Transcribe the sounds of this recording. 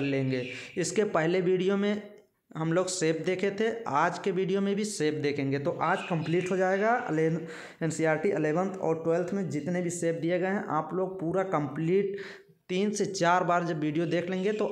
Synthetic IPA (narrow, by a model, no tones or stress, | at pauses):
ɾlẽːŋɡeːɪskepəɦleʋiːɖijomẽ | ɦəmloːɡseːp̚ʰd̪eːkʰet̪ʰeaːd͡ʒkeʋiːɖijomẽbʱiseːpʰd̪eːkʰẽːŋɡet̪oʔaːd͡ʒkə̃mpliːʈɦod͡ʒaːeɡa̰le | eːnsiaːɾʈiʔɪleːʋə̃nt̪ʰɔ̰ːɾʈweːlt̪ʰmẽd͡ʒɪt̪nebʱiseːp̚ʰd̪ieɡəeɦɛ̃ʔaːploːɡ̚puːɾakə̃mpliːʈ̚ | t̪iːnset͡ʃaːɾbaːɾd͡ʒɐbːiːɖijod̪eːkʰlẽːŋɡet̪o